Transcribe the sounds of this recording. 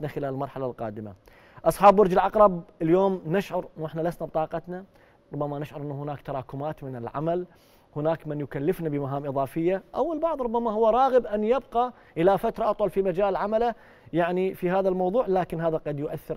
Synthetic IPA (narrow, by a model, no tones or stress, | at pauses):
naxɪlaːlɪlmɑɾˤħalalqɑ̰ːd̪ɪma̰ | ʔɑsˤħɑːbːʊɾd͡ʒɪlʕɑqɾˤɑb̚ɪljoːmnɪʃʕʊɾʔɪnːuʔɪħnalasnabt̪ˤɑːqɑt̪na | ɾˤʊbːamanɪʃʕʊɾˤʔɪnːuhʊnaːkt̪ɑɾˤɑːkʊmaːt̪mɪnɪlʕa̰mal | hʊnaːkmɪnjʊkalːɪfnabɪmaɦaːmʔɨðˤɑːfɪjːaʔawːɪlbɑʕðˤɾˤʊbːamahʊwːaɾˤɑːɣəbʔanjɪbqa | ʔɪlafat̪ɾˤɑʔɑt̪ˤwɑlfimad͡ʒaːlʕamala | jaʕnifiɦaːðalmɑwðˤuːʕlaːkɪnɦaːðaqɑd̪jʊʔaθːɪɾ